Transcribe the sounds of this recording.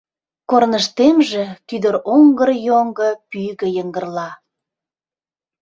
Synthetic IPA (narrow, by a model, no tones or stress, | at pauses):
kornəʃt̪emʒĕkyd̪əɾoŋɡərjoŋɡə̆pyjɣə̆jəŋɡərlɑ